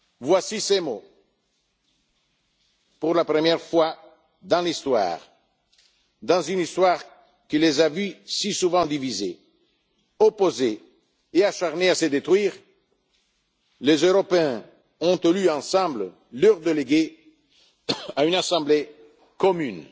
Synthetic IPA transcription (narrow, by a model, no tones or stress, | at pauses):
vwasisemo | puʁlapɾəmjɛʁfwa | d̪ɑ̃list̪wa̰ːʁ | d̪ɑ̃zynist̪waːʁ | kəlezavysisuvɑ̃d̪ivizḛ | opozeː | aʃaʁneasəd̪et̪ʁɥiːʁ | lezøʁɔpeɛ̃ | ɔ̃t̪elyɑ̃sɑ̃blə | lœʁd̪eleɡe | aynasɑ̃ble | kɔmyn